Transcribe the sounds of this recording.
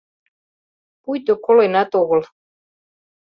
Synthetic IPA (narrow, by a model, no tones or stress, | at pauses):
pujt̪okolenæt̪oɣə̆l